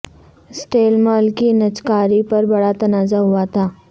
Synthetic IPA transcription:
sʈeːlmaːlkinɐt͡ʃkaːɾipɐɾbɐɽat̪ɐnaːzaɦʊat̪ʰaː

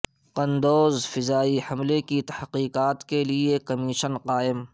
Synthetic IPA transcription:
qɐ̃nd̪oːzfɪzaːihɐmlekit̪ɐhqiːqaːt̪keliekɐmɪʃənqaːɪm

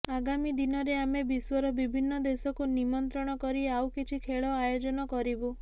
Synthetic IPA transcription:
aɡamid̪inɔɾeamebiswɔɾɔbibʱinːɔd̪esɔkunimɔnt̪ɾɔɽ̃ɔkɔɾiawkit͡ʃʰikʰeɭɔajod͡ʒɔnɔkɔɾibu

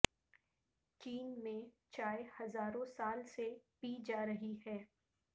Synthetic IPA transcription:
t͡ʃiːnmẽ | t͡ʃaːehɐzaːɾõsaːlsepiːd͡ʒaːɾɐɦiɦɛː

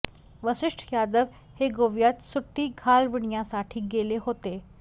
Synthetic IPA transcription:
ʋəsɪʂʈʰjad̪əʋ | heɡoʋjat̪suʈːiːɡʱalʋiɳjasaʈʰiːɡeleɦot̪e

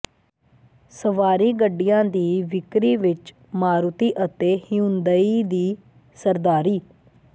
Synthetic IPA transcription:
səʋaːɾiːɡəɖːijãːd̪iːʋɪkɾiːʋɪt͡ʃ | maːɾut̪iːʔət̪eːhɪjũnd̪əiːd̪iː | səɾd̪aːɾiː

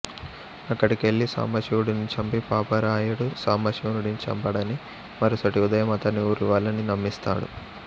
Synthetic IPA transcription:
ɐkːɐʈikeɭːisa̰ːmɐʃiwuɽunit͡ʃɐmpipaːpɐɾaːjɐɽusaːmɐʃiunuɽint͡ʃɐ̰mpɐɽɐni | mɐɾusɐʈiud̪ɐjɐmɐt̪ɐnːiuːɾuʋaːlɐninɐmːist̪a̰ːɽṵ

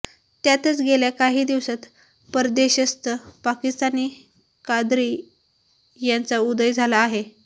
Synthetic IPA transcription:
t̪jat̪ət͡sɡeljakaɦiːd̪iʋsat̪ | pəɾd̪eɕəst̪əpakist̪aniː | kad̪ɾiː | jant͡saud̪əjd͡zʱalaːɦe

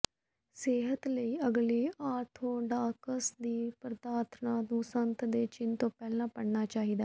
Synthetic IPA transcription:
seːɦət̪ləiːəɡliːʔaːɾt̪ʰõːɖaːkəsd̪iːpɾəd̪aːɾt̪ʰnãːnũːsənt̪d̪eːt͡ʃɪnt̪õːpɛːlãːpəɽnaːt͡ʃaːɦiːd̪aː

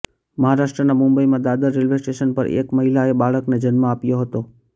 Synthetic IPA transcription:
məɦaɾaʃʈɾənamʊ̃mbəimãd̪ad̪aɾelʋesʈeʃənpə̰ɾʔḛkməɦilaebaɭəkned͡ʒənməapjoɦət̪o

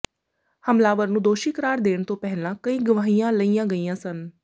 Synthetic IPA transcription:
həmlaːʋəɾnũːd̪oːʃiːkəɾaːɾd̪eːɳ̃t̪õːpɛɦlãːkəĩːɡəʋaːɦijãːləijãːɡəiːãːsən

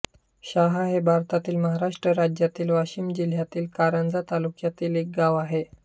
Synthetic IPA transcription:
ɕaɦaɦebʱaɾt̪at̪iːlməɦaɾaʂʈɾəɾad͡ʑjat̪iːlʋaɕimd͡ʑil̤jat̪iːlkaɾənd͡zat̪alukjat̪iːlek̚ɡaʋaɦe

